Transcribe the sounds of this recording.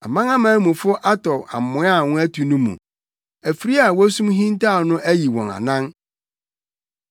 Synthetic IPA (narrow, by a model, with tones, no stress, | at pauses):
a˨mã˦ŋã˦mãː˨˦mũ˨fʊ˦ʔa˦tʰɔ˨a̰˨m̩˨mʊ̃˨˦a˦˨wʊ̃˦æ˦tʰu˨nũ˦mṵ̃˨ | æ˨fi˨ɾi˦a˨wɔ˦æ˦sũ˦mɦĩ˦n˦ta˦˨nʊ̃˦ʔæ˦ji˨wɔ̰̃˨na̰˨nã˦n